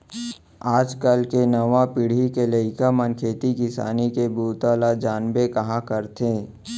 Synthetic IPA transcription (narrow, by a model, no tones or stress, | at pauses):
aːd͡ʒkəlkenɐʋapɪɽ̤ikelɐɪkamənkʰeːt̪ikɪsa̰ːnikebuːt̪aːlad͡ʒaːnbekɐɦãkəɾt̪ʰẽː